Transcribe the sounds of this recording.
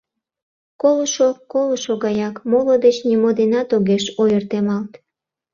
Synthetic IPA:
koloʃokoloʃoɣɑjɑkmolod̪et͡ɕnimod̪enɑt̪oɣeʃojərt̪emɑlt̪

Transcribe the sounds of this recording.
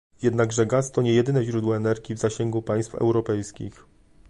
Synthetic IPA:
jɛd̪naɡʐɛɡast̪ɔɲɛjɛd̪ɘnɛʑɾud̪wɔɛnɛɾɡʲivzaɕɛŋɡupaj̃st̪fɛ̰wɾɔpɛjskʲḭx

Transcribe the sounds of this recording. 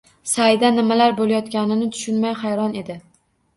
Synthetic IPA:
sajd̪anɪmalaɾbolajɒt̪kʲanɪnɪt̪ʰʊ̥ʃʊnmajχajɾɒne̞d̪ɪ

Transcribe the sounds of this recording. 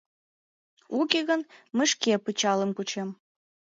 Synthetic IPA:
ukeɣənməʃkepət͡ɕɑləmkut͡ɕem

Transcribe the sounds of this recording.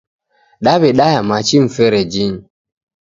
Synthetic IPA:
ɗaβeɗajamat͡ʃim̩feɾed͡ʒin

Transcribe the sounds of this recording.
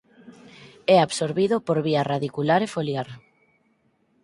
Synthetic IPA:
ɛaβsoɾβiðopoɾβiaraðikulaɾefoljaɾ

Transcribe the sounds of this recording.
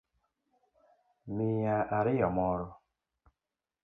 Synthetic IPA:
mijaʔaɾɪjɔmɔɾʊ

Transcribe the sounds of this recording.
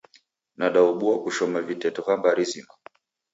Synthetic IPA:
naɗauɓuakuʃɔmavitɛtɔkambaɾizina

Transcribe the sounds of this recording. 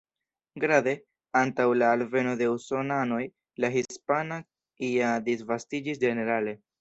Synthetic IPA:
ɡɾade̞ | antawlaːlve̞no̞de̞uso̞nano̞j | laɦispana | iadisvastid͡ʒis̬d͡ʒe̞ne̞ɾale̞

